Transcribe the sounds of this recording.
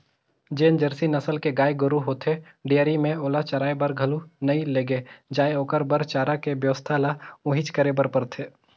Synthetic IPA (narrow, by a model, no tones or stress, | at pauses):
d͡ʒeːnd͡ʒəɾsinɐsəlkeɡaːjeɡʊɾuɦoːt̪ʰe | ɖijəɾimẽoːlat͡ʃɐɾaːebəɾɡʱɐlunɐĩleːɡed͡ʒaːeoːkəɾbəɾt͡ʃaːɾakebjəʋəst̪ʰalaʊ̃ɦɪt͡ʃkəɾebəɾpəɾt̪ʰeː